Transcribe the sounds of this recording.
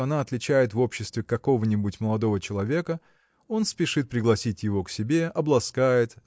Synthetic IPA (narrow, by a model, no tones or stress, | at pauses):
ɐnaɐt̪lʲɪt͡ɕæjɪt̪vo̞pɕːɪst̪vʲɪkɐko̞vənʲɪbʊtʲməlˠɐd̪o̞vət͡ɕɪlˠɐvʲe̞kə | o̞nspʲɪʂɨt̪̚pɾʲɪɡlˠɐsʲitʲjɪvo̞ksʲɪbʲe̞ɐblˠɐskajɪt̪